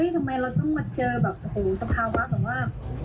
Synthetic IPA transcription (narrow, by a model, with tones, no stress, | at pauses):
ə˦˥jt̪ʰa˧mːa˧jɾa˧wt̪ɔ˥˩ŋma˧t͡ɕɤː˧bɛː˨˩p̚huː˨˩˦ŋsa˧pʰaː˧wa˦˥bɛː˨˩p̚waː˥˩